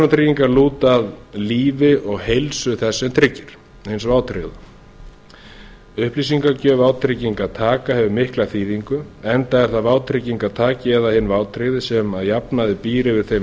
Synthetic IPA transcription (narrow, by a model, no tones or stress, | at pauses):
nat̪ɾɪcːiŋkaɾluːt̪aðliːvɪʔɔɣhejlsʏθɛsːɛmt̪ʰɾɪcːɪɾ̥ | hɪnsvaːwt̪ʰɾɪɣðʏ | ʏhplisiŋkacœvaːwt̪ʰɾɪciŋkat̪ʰaːkahɛvʏmɪhklaθiːðiŋkʏɛnt̪aɛɾ̥θaðvaːwt̪ʰɾɪciŋkat̪ʰaːcɪɛðahɪnːvaːwt̪ʰɾeɣðɪsɛmaðjapnaðɪpiːɾɪvɪðθej